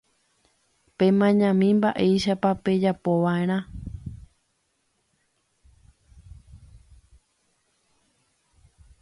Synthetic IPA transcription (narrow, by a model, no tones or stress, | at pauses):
pẽ̞mãɲãmĩmbaʔe̞jʃapape̞d͡ʒapo̞ʋaẽ̞ɾ̃ã